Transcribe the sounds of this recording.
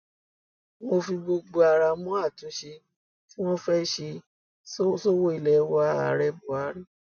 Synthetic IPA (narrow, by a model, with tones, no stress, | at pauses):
mo˧fi˧bo˧ɡ͡bo˧a˧ɾa˧mũ˦a˦˨tũ˨˦ʃe˧ | ti˦w̃ɔ̃˦fɛ˦ʃe˧˦ | so˦wo˦i˧˨lɛ˨˦wa˦a̰˨˦ɾɛ˧bu˨a˨˦ɾi˦